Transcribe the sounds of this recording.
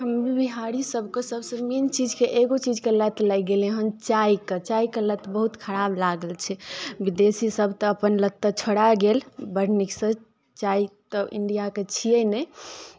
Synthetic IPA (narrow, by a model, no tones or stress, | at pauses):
ɦəmbiɦaɾisəbʱkesəbsə̃mint͡ʃid͡ʒkeʔeɡot͡ʃid͡ʒkelət̪lajɡelẽɦəmt͡ʃajket͡ʃaikelət̪bəɦut̪kʰəɾablaɡəlt͡ʃʰɛbid̪esisəbʱt̪ɔːpənlət̪ːət͡ʃʰoɽaɡelbəɾniksə | t͡ʃait̪əʔḭɳɖijaket͡ʃʰiənɛ